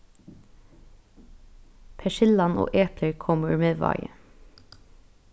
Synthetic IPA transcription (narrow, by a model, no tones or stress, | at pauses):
pʰɛʃɪlɑno̰ːʔeːpʰləɹkʰɔməɹmeːʋɑ̰ɪə̰